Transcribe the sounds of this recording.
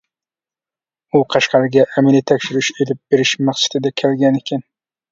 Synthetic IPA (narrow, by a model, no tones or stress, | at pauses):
ʊqʰɑʃqɑɾɪɡʲaʔːmelɪt̪ʰækʲʃɪɾɪʃelɪp̚b̥eɾɪʃmɑχsḁt̪ɪd̪akʲʰelɡʲanekʲʰan